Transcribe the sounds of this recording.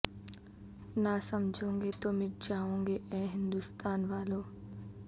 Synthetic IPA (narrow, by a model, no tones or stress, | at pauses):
naːsɐmd͡ʒʱõːŋɡet̪omɪʈd͡ʒaːõːŋɡeʔɛ̃ːɦɪ̃nd̪ʊst̪aːnʋaːloː